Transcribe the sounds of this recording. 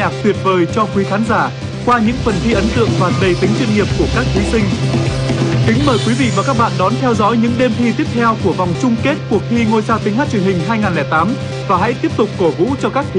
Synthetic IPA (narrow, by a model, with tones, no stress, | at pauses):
aː˨˩k̚t̪wi˨˩ət̚vəː˨˩jt͡ɕɔ˧kwi˨˦xaː˨˦nzaː˧˩ | kwaː˧ɲɨ̰˧˥ŋfə˨˩nt̪ʰi˧ʔə˨˦nt̪ɨ̰˧˨əŋvaː˨˩ɗə˨˩jt̪ï˨˦ŋ̟t͡ɕwŋi˨˩əp̚ku˧˩əkaː˦˥k̚t̪ʰi˨˦sï˧ŋ̟ | kï˨˦ŋ̟məː˨˩jkwi˨˦vḭ˧˨vaː˨˩kaː˦˥k̚ɓa̰ː˧˨nɗɔ˨˦nt̪ʰɛ˧wzɔ̰˧˥jɲɨ̰˧˥ŋɗe˧mt̪ʰi˧t̪i˦˥əp̚t̪ʰɛ˧wku˧˩əva˨˩wŋ͡mt͡ɕʊ˧ŋ͡mke˦˥t̚ku˧˨˩ək̚t̪ʰi˧ŋo˧jsaː˧wt̪ï˨˦ŋ̟haː˦˥t̚t͡ɕwi˨˩ənhï˨˩ŋ̟ɦaː˧jŋaː˨˩nlɛː˨˩jt̪aː˨˦m | vaː˨˩ɦa̰˧˥jt̪i˦˥əp̚t̪ʊ˨˩k͡p̚ko˧˩vṵ˧˥t͡ɕɔ˧kaː˦˥k̚t̪ʰ